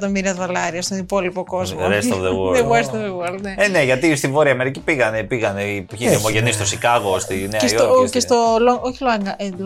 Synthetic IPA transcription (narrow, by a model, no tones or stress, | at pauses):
t̪omiɾiɐðolɐɾiɐst̪onipo̞lipoko̞zmɾest̪ovðewoeweɾst̪ovðewoɾlneeneʝɐt̪ist̪ivoɾiɐmeɾicipiɣɐnepiɣɐneipçiðiomoʝenist̪osikɐɣost̪ineesioocest̪olooçiloɐŋɡɐl